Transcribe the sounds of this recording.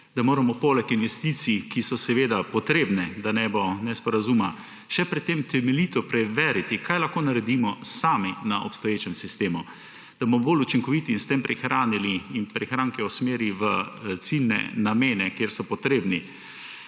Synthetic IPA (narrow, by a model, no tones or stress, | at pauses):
d̪amoːɾamɔpoːlɛkinʋɛst̪iːt̪sikisɔsɛʋeːd̪apɔt̪ɾeːbnɛd̪anɛbɔnɛspɔɾazuma | ʃɛpɾɛt̪ːemt̪ɛmɛlit̪ɔpɾɛʋɛːɾit̪ikajlaxkoːnaɾɛd̪imɔsaːminaʔɔpst̪ɔjeːt͡ʃɛmsist̪eːmu | d̪̥abomɔboːlut͡ʃiŋkɔʋit̪iinst̪empɾʔɛxɾaːniliːnpɾɛxɾaːŋkɛusmeːɾiʋət̪silnɛ̰nameːnɛkjeːɾsɔpɔt̪ɾeːbni